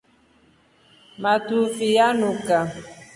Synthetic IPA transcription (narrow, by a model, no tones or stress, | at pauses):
matufijanuka